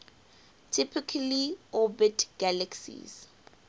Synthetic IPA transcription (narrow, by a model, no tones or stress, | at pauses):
tʰipʰikʰaliɔbitʰɡ̥alaksḭz̥